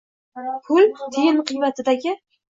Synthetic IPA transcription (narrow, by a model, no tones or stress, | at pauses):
pʰʊlt̪ʰɪjɪnqʰɨjvat̪ʰɪd̪aɡʲɪ